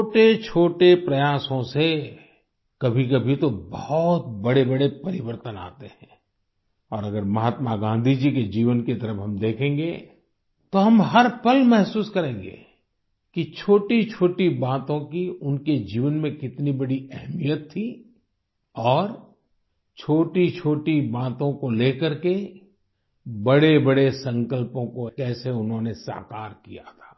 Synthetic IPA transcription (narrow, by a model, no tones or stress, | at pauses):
oːʈet͡ʃʰoːʈepɾɐjaːsõse | kɐbʱik̬ɐbʱit̪obɐhɔt̪̚bɐɽebɐɽepɐɾɪʋəɾt̪əna̰ːt̪eɦɛ̃ː | ɔːɾɐɡəɾmɐɦaːt̪maɡãːnd̪ʱid͡ʒiked͡ʒiːʋənket̪ɐɾəfɦɐmd̪eːkʰẽːŋɡe | t̪oɦɐmɦɐɾpɐlmɛɦsuːskɐɾẽːŋɡḛː | kit͡ʃʰoːʈit͡ʃʰoːʈibaːt̪õkiʊnked͡ʒiːʋənmẽkɪt̪nibɐɽiɛɦmijət̪ʰːi | ɔːɾ | t͡ʃʰoːʈit͡ʃʰoːʈibaːt̪õkoleːkəɾke | bɐɽebəɽesɐ̃ŋkəlpõkokɛːseʊnɦõnesa̰ːkaːɾkija̰t̪ʰḁː